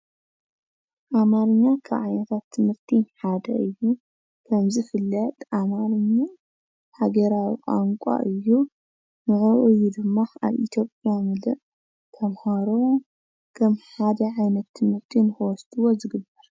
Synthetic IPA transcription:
ʔamaɾɨɲːakʰa̰βʕa̰jnɐt̪ʰat̪ʰːɨmɨɾt̪ʰiħad̪ɐ̰ʔɨjːu | kʰɐmzɨfɨlːɐt̪ʼʔamaɾɨɲːa | haɡɐɾawikʼa̰ŋkʷʼa̰ʔɨjːu | nɨxɐʔujːud̪ɨmːaa̰βḭt̪ʰjo̞pʼjamɨlɨʔ | t̪ʰɐmhaɾo | kʰɐmħad̪ɐʕajnɐt̪ʰːɨmhɨɾt̪ʰinɨxɐwɔst̪ʼɨwozɨɡɨbɐɾ

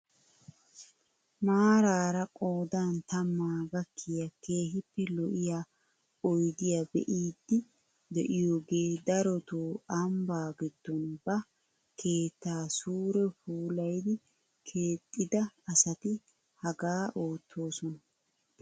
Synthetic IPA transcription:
maːɾaːɾɐkʼo̞ːd̪aːnt̪ɐmːaːɡɐkʰːɪjɐke̞ːɦɪpːɛlɔʔɪjaː | ɔjd̪ɪjabɛ̰ʔiːd̪ːɪ | d̪ɛʔɪjoːɡe̞ːd̪ɐɾɔt̪oːɐmbaːɡɪd̪̥ːɔnbɐ | kʰe̞ːt̪ːaːsuːɾɛfuːlɐjd̪ɪ | kʰe̞ːt̪ʼːɪd̪ɐɐsɐt̪ɪ | hɐɡaːʔo̞ːt̪ʰːo̞ːsɔnɐ

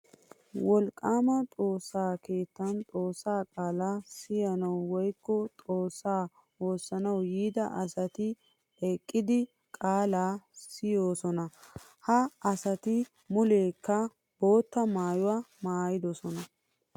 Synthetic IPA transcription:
wɔlkʼːaːmɐt̪ʼo̞ːsːaːke̞ːt̪ːɐnt̪ʼo̞ːsːaːkʼaːlaːsɪjɐnɐwːɔjkːɔt̪ʼo̞ːsːaː | o̞ːsːɐnɐwjiːd̪ɐʔɐsɐt̪ɪ | ɛkʼːɪd̪ɪ | kʼaːlaːsɪjo̞ːsɔnɐ | hɐɐsɐt̪ɪ | mʊle̞ːkːɐ | bo̞ːt̪ːɐmaːjʊwaːmaːjɪd̪ɔsɔnɐ

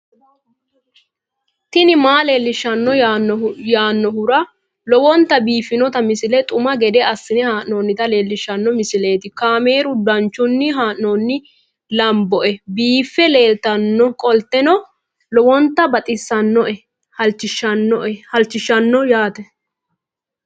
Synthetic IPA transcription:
t̪ɪnɪmaːleːlːɪʃːɐnːɔ | jaːnːɔhʊɾɐ | lɔwɔnt̪ːɐbiːfːɪnɔt̪ɐmɪsɪlɛt̪ʼʊmɐɡɛd̪ɛɐsːɪnɛhaːʔnoːnːɪt̪ɐle̞ːlːɪʃːɐnːɔmɪsɪle̞ːt̪ɪkaːme̞ːɾʊd̪ɐnt͡ʃːʊnːɪɦaːʔnɔːnːɪ | lɐmbɔʔɛbiːfːɛle̞ːlt̪ɐnːɔkʼɔlt̪ːɛnɔ | lɔwɔnt̪ːɐbɐt̪ʼɪsːɐnːɔʔɛ | hɐlt͡ʃːɪʃɐnːɔʔɛhɐlt͡ʃːɪʃːɐnːɔjaːt̪ɛ

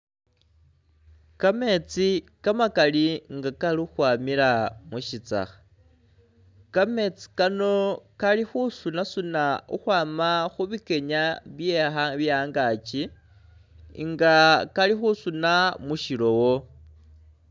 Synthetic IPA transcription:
kame̞t͡sikamakaliŋɡakalixwaːmiɾamuʃit͡sa̰xḁ | kame̞t͡si̥kano̞kalixusunasunauxwaːmaxuβike̞ɲaβje̞xaβjaːŋɡat͡ʃi | ŋɡakalixusunamuʃilo̞wo̞

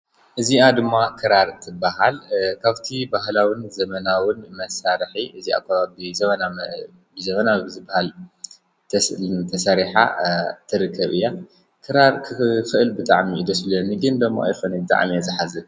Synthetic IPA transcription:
ʔɨziad̪ɨmːakʰɨɾaɾt̪ʰɨbːaɦalkʰaβt̪ʰibahlawinzɐmɐnawʊnmɐsaɾħiʔɨzia̰kʰːaβabɨzɐmɐna | bɨzɐmɐnabɨzɨbahal | t̪ʰɐst̪ʰɐsaɾiħa̰t̪ʰɨɾɨkʰːɐβɨjːa | kʰɨɾaɾkʰɨfɨʔɨlbɨt̪ʼa̰ʕmiɨd̪ɐsɨloniɡɨnd̪ɐmːo̰ʔa̰jxonibɨt̪ʼa̰ʕmiazɨħazɨ

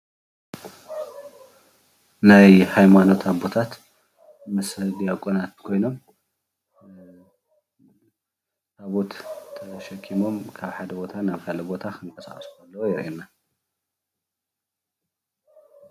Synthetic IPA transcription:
najhajmano̞t̪ʰabo̞t̪ʰat̪ | mɐsɐd̪ijakʼonat̪kʰo̞jno̞m | aβo̞t̪ʰːɐʃɐkʰːimo̞mkʰaβħad̪ɐbo̞t̪ʰanaβkʰalɐbo̞t̪ʰakʰɨŋkʼɐsa̰χʼɐsu̥kalːɐwojɪɾʔinːa

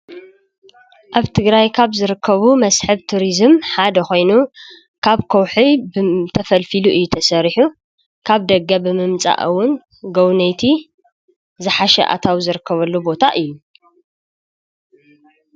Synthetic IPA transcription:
ʔaβt̪ʰɨɡɾajkʰaβzɨɾɨkʰːɐβumɐsħɨβt̪ʰuɾizɨmħad̪ɐxo̞jnu | kʰaβkʰɐwħibt̪ʰɐfɐlfiluʔɨjːut̪ʰɐsɐɾħu | kʰaβd̪ɐɡːɐbɨmɨmt͡sʼa̰ʔɨwːʊn | ɡɐwnɐjt̪ʰi | zɨħaʃɛ̰ʔa̰t̪ʰawzɨɾɨkʰːɐβɐlːubo̞t̪ʰaʔɨjːu

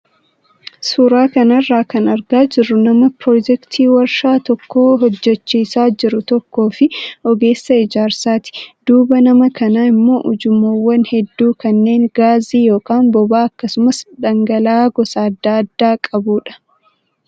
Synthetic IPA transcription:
suːɾaːkɐnɐrːaːkɐnɐɾɡaːd͡ʒɪrːʊnɐmɐpɾoːd͡ʒɛkt̪ʰiːwɐɾʃaːt̪ɔkːoːɦɔd͡ʒːɛt͡ʃːiːsaːd͡ʒɪɾʊt̪ɔkːo̞ːfɪʔɔɡe̞ːsːɐɪd͡ʒaːɾsaːt̪ɪ̥d̪̥uːbɐnɐmɐkɐnaːɪmːo̞ːʔʊd͡ʒʊmːoːwːɐnhɛd̪ːuːkɐnːe̞ːŋɡaːziːjo̞ːkaːnbɔbaːɐkːɐsʊmɐsd̪ɐŋɡɐlaːɡɔsaːɐd̪ːaːɐd̪ːaːkʼɐbuːᶑɐ̥

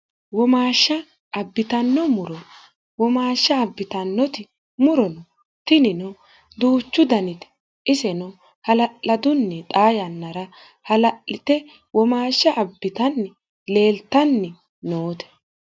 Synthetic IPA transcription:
wɔmaːʃːɐ | ɐbːɪt̪ɐnːɔmʊɾɔ | wɔmaːʃːɐːbːɪt̪ɐnːɔt̪ɪ | mʊɾɔnɔ | t̪ɪnɪnɔ | d̪uːt͡ʃːʊd̪ɐnɪt̪ɛ̥ | ɪsɛnɔ | hɐlɐʔɐd̪ʊnːɛt̪ʼaːjɐnːɐɾɐ | hɐlɐʔɪt̪ɛ | wɔmaːʃːɐʔɐbːɪt̪ɐnːɪ | le̞ːlt̪ːɐnːɛ | noːt̪ɛ̥

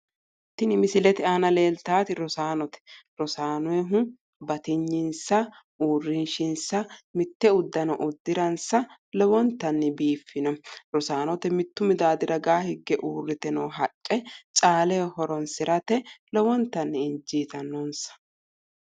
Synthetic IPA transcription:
t̪ːɪnɪmɪsɪlɛt̪ɪaːnɐle̞ːlt̪aːt̪ɪɾɔsaːnɔt̪ɛ̥ɾɔsaːnʊwɛɦʊ | bɐt̪ɪɲːɪnsɐ | uːrːɪnʃɪnsɐmɪt̪ːɛʊd̪ːɐnɔʔʊd̪ːɪɾɐnsɐ | lɔwɔnt̪ːɐnːɪbiːfːɪnɔɾɔsaːnɔt̪ɛmɪt̪ːʊmɪd̪aːd̪ɪɾɐɡaːhɪɡːɛʔuːrːɪt̪ɛnoːɦɐt͡ʃʼːɛt͡ʃʼaːlɛhɔɾɔnsɪɾɐt̪ɛlɔwɔnt̪ːɐnːɪɪnd͡ʒiːt̪ɐnːonsɐ̥

